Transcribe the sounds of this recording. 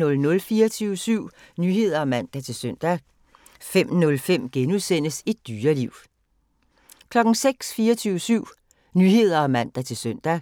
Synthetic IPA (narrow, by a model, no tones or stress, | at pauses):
ɔ̽lnɔ̽lfiːɐt͡sʰyʊsyʊ̰ | nyhe̝ð̰ˠɐɒ̽mæn̰d̥æt͡sʰe̝lsœn̰d̥æ | fem̰nɔ̽lfem̰ɡ̥enuðˠsen̰əsed̥̚ːyːɐliʊ̰ | kʰlɒ̽ɡ̥n̩seɡ̥sfiːɐt͡sʰyːʊsyʊ̰ | nyːhe̝ð̰ˠɐɒ̽mæn̰d̥æt͡sʰe̝lsœn̰d̥æ